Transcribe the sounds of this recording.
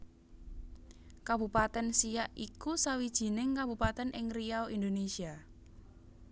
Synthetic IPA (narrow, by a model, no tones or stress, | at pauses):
kab̥ṳpat̪ɛnsijaʔikusawid̥ʒ̥i̤nɪŋkab̥ṳpat̪ɛnʔɪŋriaoʔind̪onesia